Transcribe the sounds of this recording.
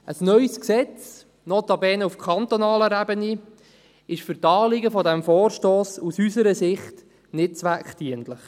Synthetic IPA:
ʔəsnœʏsksɛt͡s | not̪ɑbɛːnəufkʰɑnt̪onɑːləɾæbəni | ɪʃfʏɾtɑːlɪɡəfɔdæmfoːrʃtoːsusysəɾəsɪχt | nɪt̚t͡sʋækχtiəntləχ

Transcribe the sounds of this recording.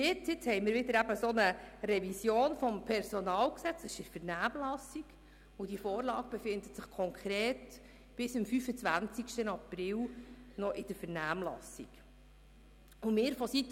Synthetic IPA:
jɪt͡sɪt͡shɛɪmɪːɾʋɪd̪əɾæbəsɔnəɾɛvisjoːnfɔmpʰɛɾsɔnɑːlksɛt͡sɛʃɪɾfɛrnæːmlɑsiɡ | ʊd̥ifoːɾlɑːɡ̥̚b̥ɛfɪnd̪ətsɪχkʰɔŋkʰɾeːt | b̥ɪsɪmfyfət͡sʋænt͡sikʃtənɑprɪlnɔʔɪd̥əɾfɛrnæːmlɑ̰sik | ʊmɪːɾfɔsit̪

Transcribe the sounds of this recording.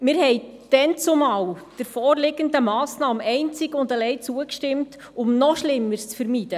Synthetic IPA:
mɪːɾhɛɪ | d̥ɛnt͡sʊmɑːwd̥əɾfɔːrlɪɡəndəmɑːsnɑːmɛɪnt͡sɪɡʊndəlɛɪt͡suəkʃtɪmt | ʊmnɔʃlɪmːəɾst͡sfəɾmiːd̥ə

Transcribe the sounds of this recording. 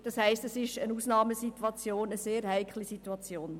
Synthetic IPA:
d̥ɑshæɪstəsɪʃənusnɑːməsituɑt͡sjoːnəseːɾhæɪkʰlisituɑt͡sjoːn

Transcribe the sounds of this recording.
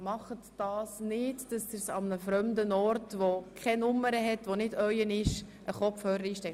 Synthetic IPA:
mɑχətd̥ɑːsnɪtd̥ɑsdɪɾsɑmnəfɾœmdənɔrtʋokʰɛnʊmːəɾəɦɛtʋonɪdœʏənɪʃʔəχɔfhøːɾəɾiːʃtɛ

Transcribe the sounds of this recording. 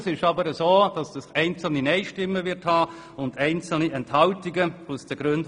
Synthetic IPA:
sɪʃɑbəɾəzoːd̥ɑsd̥ɑsɛɪnt͡sl̩ninɛɪʃtɪmːəvɪɾthɑː | ʊndæɪnt͡sl̩niɛnthɑltiɡəusd̥əɡ̥ɾønd

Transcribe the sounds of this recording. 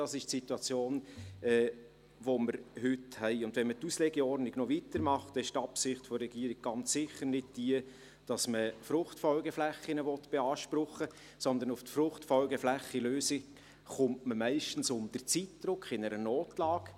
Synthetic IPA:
d̥ɑsɪʃtsituɑt͡sjoːnɛ | ʋoməɾhʏthɛɪʊndʋɛnmətuslɛɡɛɔrdnɪɡnɔvitəɾmɑχtɛɪʃtɑpsɪχtfɔɾɛɡiːɾɪɡ̥̚ɡ̥ɑnt͡sːɪχːəɾnɪd̚d̥iə | d̥ɑsməfɾʊχtfɔlɡəflɛχːɪnəʋɔt̪b̥ɛɑːʃpɾʊχə | sɔnd̪ənʊftfrʊχtfɔlɡəflæχiløːsɪ | χʊmtməmæɪʃtn̩sʊmd̥ərt͡sitd̥rʊkχɪnəɾənoːtlɑːɡ̥

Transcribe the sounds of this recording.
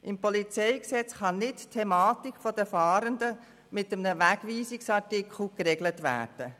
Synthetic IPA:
ʔɪmpɔlit͡sɛɪksɛt͡sχɑnɪttʰːɛmɑːtikfɔd̥əfɑːɾəndə | mɪtəmnəʋæɡʋiːsɪksɑɾtɪkʰl̩kɾɛɡlətʋæ̰ːd̥ə

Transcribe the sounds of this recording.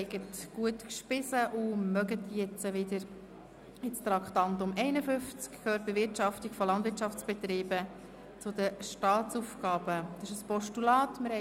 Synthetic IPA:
ɪɡətɡ̥uətkʃpɪsəʔʊmœɡət̪jɛt͡səʋɪdəɾ | ɪt͡st̪ɾɑkt̪ɑnt̪ʊmɛɪnəfʏnft͡skkʰːøːɾt̚b̥ɪʋɪɾtɑftikfɔlɑndʋɪɾt͡ʃɑft͡sb̥ɛt̪ɾiːbə | t͡sʊd̪əʃtɑːt͡suːfɡɑːb̥əd̪ɑsɪʃəspɔʃtulɑːtmɪɾhɛ

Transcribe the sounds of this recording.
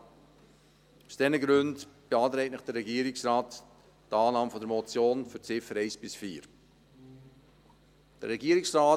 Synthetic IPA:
usd̥ɛnəɡɾʉndb̥eɑːtɾɛɪtnɪχd̥ərɛɡiːəɾɪksrɑːt | tɑːnɑːməfɔdəɾmɔt͡sjoːnfʏɾt͡sɪfəɾɛɪsb̥ɪsfiːɾ | d̥əɾːɛɡiːəɾɪksraː

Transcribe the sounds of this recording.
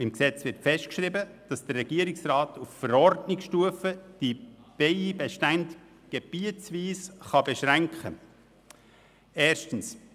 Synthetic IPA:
ɪmksɛt͡svɪɾtfɛʃtkʃribəd̥ɑsd̥ərːɛɡ̥iːəɾɪksrɑːtʰuffəɾɔɾdnɪkʃtuəfəd̥ib̥eɪbɛʃtænt | ɡ̥eb̥iət͡sviːsχɑbɛʃɾæŋkχə | eːɾʃtən̩s

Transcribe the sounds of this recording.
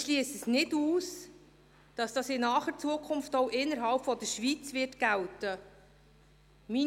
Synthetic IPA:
ʃliəsəsnɪduːs | d̥ɑsd̥ɑsɪnɑːχəɾt͡suəkʰʊnftɔwʔɪnːəɾɦɑlpfɔd̪əɾʃʋit͡sʋɪrtɡ̥æltə | mi

